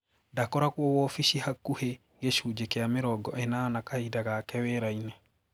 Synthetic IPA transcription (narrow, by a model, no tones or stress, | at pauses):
ndakɔɾakwɔwɔfiʃihakuhe | ɡeʃud͡ʒekeameɾɔɡɔʔɛnanakaidakakɛwɛɾainɛ